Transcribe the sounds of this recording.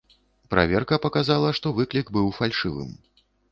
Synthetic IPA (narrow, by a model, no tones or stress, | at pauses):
pɾʔa̰vʲɛrkɐpɐkazalˠɐʂt̪ɔvɨklʲikbɨwfalʲʂɨvɨ̰m